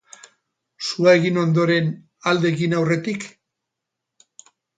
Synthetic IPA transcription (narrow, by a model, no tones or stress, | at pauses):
suaeɣino̞nd̪o̞ɾe̞n | ald̪e̞ɣinawre̞t̪ik